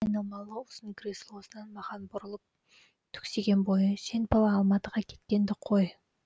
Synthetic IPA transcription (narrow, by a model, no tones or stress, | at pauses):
ɑjnɑlˠmɑlˠəʊsənkʲʰɾʲislˠosənɑnmɑʁɑnbʊɾəlˠəp̚ | t̪ʰʏ̥kse̞ɡʲe̞nbo̞jəʃenpʰɑlˠɑːlˠmɑt̪əʁɑkʲʰe̞̥t̪kʲe̞nd̪ɪqʰo̞j